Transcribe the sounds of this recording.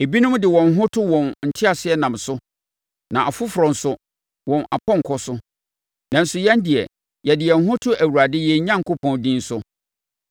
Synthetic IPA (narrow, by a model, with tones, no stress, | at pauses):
e˨bi˦nʊ̃˦m̩˦dɪ˨wɔ̃˨n̩˨˦ɦʊ̃˦tʰʊ˦wɔ̃˨nn̩˨tʰɪ˦a˨sɪ˦ɛ˦nã˨msʊ˦ | nã˨ʔa˨fʊ˦fɾɔ̃˨n̩˨sʊ˦ | wɔ̃˨na̰˨pʰɔ̃˦ŋ˨kʰɔ˦sʊ˦ | nã˨n̩˦sʊ˨jɛ̃˦n˦dɪ˨ɛ̰˨ | jɛ˨dɪ˨ɛ˨ŋ̩˦ɦʊ̃˦tʰʊ˦ʔæ˨wuɾa˨dɪ˦jɛ˨˦ɲã˦ŋ̩˨kʊ˦pʰɔ̃˨ndĩ˦n̩˦sʊ˦